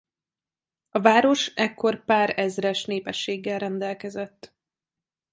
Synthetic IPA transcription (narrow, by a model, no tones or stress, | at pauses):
ɒvaːɾo̞ʃɛkːo̞rpaːɾɛzrɛʃneːpɛʃːeːɡːɛlrɛnd̪ɛlkɛzɛt̪ː